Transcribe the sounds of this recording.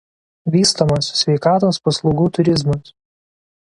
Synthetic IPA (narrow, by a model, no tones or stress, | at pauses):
ʋʲiːst̪omɐssʲʋʲɛɪkɑːt̪oːspɐslˠɔʊɡuːt̪ʊɾʲɪzmɐs